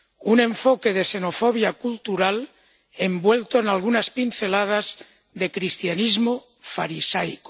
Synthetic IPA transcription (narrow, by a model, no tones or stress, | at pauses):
unẽ̞ɱfokeðese̞nofoβjakult̪uɾal | e̞mbwe̞lt̪oenalɣunaspinθe̞lað̞az | ðekɾist̪janizmo | faɾisajko̥